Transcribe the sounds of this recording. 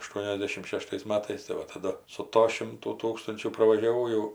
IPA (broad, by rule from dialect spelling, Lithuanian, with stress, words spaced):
ɐʃˈtuɔnʲɛzʲdʲɛʃʲɪm ˈʃʲæːʃtɐɪs ˈmɑːtɐɪs tɐɪ ˈʋɐ tɐˈdʊ sʊ ˈtoː ˈʃʲɪmtuː ˈtuːkstʊnʲt͡ʃʲuː prɐʋɐʒʲɛˈʋɐʊ jɛʊ